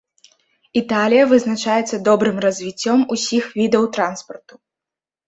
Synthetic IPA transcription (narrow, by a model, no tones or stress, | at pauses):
it̪alʲijɐvɨznat͡ʂajɛt̪sːɐd̪ɔbɾɨmrɐzʲvʲit͡sʲːɔmusʲixvʲid̪ɐwt̪ɾanspɐrt̪u̥